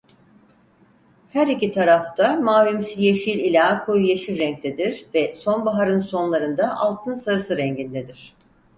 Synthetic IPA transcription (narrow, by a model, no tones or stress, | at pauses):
hæɾicit̪ʰaɾaft̪ʰamaːlymsijeʃilʲilʲaːkʰojujeʃiɾɾɛɲc̚t̪ʰed̪iɾvɛso̞nbaɦaɾɯnso̞nlˠaɾɯnd̪aʔalˠt̪ʰɯnsaɾɯsɯɾɛɲɟind̪ed̪iɾ̝̥